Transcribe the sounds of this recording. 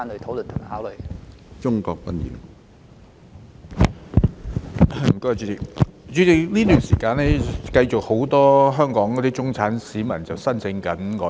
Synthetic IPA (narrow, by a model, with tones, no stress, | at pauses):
nlə˨˧jt̪ʰo˨˥wlɵ˨nt̪ʰʊ˨˩ŋ˨˩hɦaː˨˥wlɵ˨˧jt͡ʃʊ˥ŋkɔː˧k̚pɐ˥njḭː˨˥˨ | m̩˨˩ko˧wa˨t͡ʃyː˨˧˥tɪ˨k̚t͡ʃyː˨˧t͡sɪ˨˩k̚liː˥t̪yː˨˩nsiː˨˩kaː˧nlɛː˥kɐ˧jt͡ʃʊ˨k̚ho˨˥wt̪ɔː˥ɦœː˥ŋkɔː˨˥ŋkɔː˨˥t̪iː˥t͡sʊ˥ŋt͡sʰaː˨˥nsiː˨˥mɐ˨˩nt͡sɐ˨wsɐ˥nsɪ˧ŋkɐ˨˥nkɔː˨˥